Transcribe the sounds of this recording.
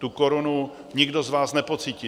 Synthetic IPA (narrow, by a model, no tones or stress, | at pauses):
t̪ukoɾonu | ɲɪɡdo̞zvaːsnɛpo̞t͡siːci